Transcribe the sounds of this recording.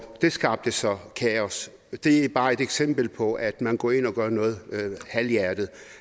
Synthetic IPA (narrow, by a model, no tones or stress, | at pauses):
d̥e̝sɡ̥ɑ̈ːb̥̚d̥əsɒ̽kʰæɒs | d̥e̝æb̥ɑ̈ːe̝d̥eɡ̥sem̰b̥l̩pʰɒ̽ʔæd̥mænɡ̥ɔ̰e̝nɒ̽ɡ̥ɶːɐnɔ̽ːð̞̩ˠhæljæɐd̥ð̩ˠ